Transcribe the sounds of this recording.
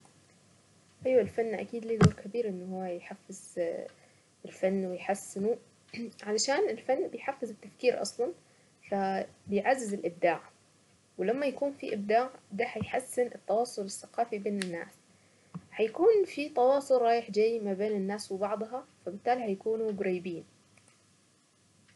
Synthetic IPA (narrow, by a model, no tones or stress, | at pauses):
ʔajwalfanːʔa̰kiːd̪liːd̪oːɾkabiːɾʔɪnːhuwːajħafːɪz | ɪlfanːwɪjħasːɪnu | ʕalaʃaːnɪlfanːbɪjħafːɪzɪt̪ːafkiːɾʔɑ̰sˤlɑn | fabɪjʕazːɪzɪlʔɪb̚d̪aːʕ | wɪlamːajakuːnfḭʔɪb̚d̪aːʕd̪ahajħasːɪnɪt̪ːɑwɑːsˤʊlɪθːaqɑːfibeːnɪnːa̰ːs | hajakuːnfit̪ɑwɑːsˤʊlɾˤɑːjɪħd͡ʒajːmabeːnɪnːaːswɪbɑʕd̪ˤɦɑfabɪt̪ːaːlihajakuːnuɡʊɾiːbiːn